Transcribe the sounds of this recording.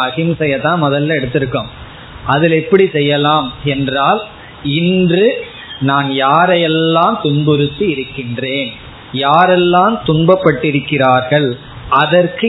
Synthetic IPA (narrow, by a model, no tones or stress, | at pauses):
ɐɣɪmsɛjɐt̪ãːnmɔðɐlːɐɛɽɯt̪ːɪɾɯkːɯm | ʔɐðɪlɛpːɐɽisɛjːɐlaːmɛndraːl | ɪndrɯ | naːnjaːɾɐjɛlːaːmt̪ʊɳbɔɾɯt̪ːɯɪɾɯkːɪndreːn | jaːɾɛlːaːmt̪ʊɳbɐpːɐʈːɪɾɯkːɪraːɾɣɐɭ | ʔɐðɐrkɯ